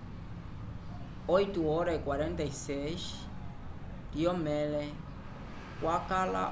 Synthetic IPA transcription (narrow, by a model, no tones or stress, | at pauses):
ojt̪uɔɾaikwaɾẽnt̪aises | diɔmɛle | kwʔakala̰